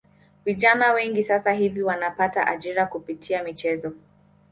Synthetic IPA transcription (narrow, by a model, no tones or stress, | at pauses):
viʄanawɛŋɡisasaɦiviwanapataʔa̰ʄiɾakupitʰiamit͡ʃɛzɔ